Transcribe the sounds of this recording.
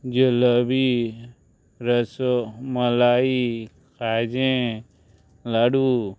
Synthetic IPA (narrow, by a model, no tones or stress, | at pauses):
d͡ʒələbi | ɾəsoməlaːi | kʰaːd͡ʒẽ | laːɖu